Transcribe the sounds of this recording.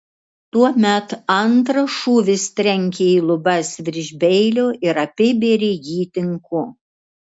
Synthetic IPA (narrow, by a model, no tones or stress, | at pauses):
t̪uɔmʲɛt̪ɐnt̪ɾɐʃuːʋʲɪst̪ʲɾʲɛŋʲkʲeiːlˠʊbɐsʋʲɪɾʲʒʲbʲɛɪlʲoːʔɪɾɐpʲɪbʲeːɾʲejiːt̪ʲɪŋkʊ